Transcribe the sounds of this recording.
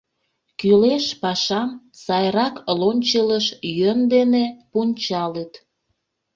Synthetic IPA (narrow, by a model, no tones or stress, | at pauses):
kyleʃpɑʃɑm | sɑjrɑklonʲt͡ɕələʃjønd̪enepunʲt͡ɕɑlət̪